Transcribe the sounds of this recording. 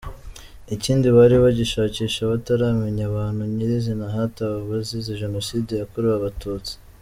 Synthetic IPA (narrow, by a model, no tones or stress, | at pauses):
iciːndiβaɾiβaɟiʃaːciːʃaβataɾaːmeɲaβaːnhuɲiɾizinaɦataβaβaziziʒe̞no̞siːdejakuɾuaβatuːt͡si̥